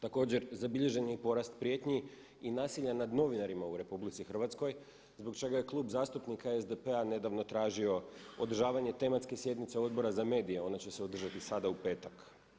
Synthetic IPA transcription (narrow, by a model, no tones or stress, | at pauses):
t̪ako̞ːd͡ʑe̞ɾzabiʎe̞ʒe̞nipo̞ɾast̪pɾije̞t̪ɲi | inaːsiʎanad̪no̞ʋinaɾimauɾe̞publit̪sixr̩ʋat̪sko̞j | zbo̞kt͡ʃe̞ɡaje̞klˠuːbzaːst̪upnikaezd̪epe̞ane̞d̪aʋno̞t̪ɾaːʒio̞od̪r̩ʒaːʋaɲe̞t̪e̞mat̪ske̞sje̞d̪nit̪seo̞d̪̚bo̞ɾazame̞ːd̪ije̞o̞nat͡ɕe̞se̞od̪r̩ʒat̪isad̪aupe̞ːt̪ak